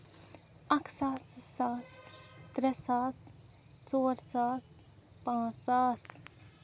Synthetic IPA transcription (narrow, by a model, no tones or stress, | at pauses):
ɐksaːsɪsaːst̪ɾɛsaːs | t͡soːɾt͡saːs | pãːsaːs